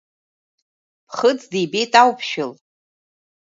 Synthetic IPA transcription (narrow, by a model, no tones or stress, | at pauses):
pʰχət͡sdijbejtʼawpʰʃɪl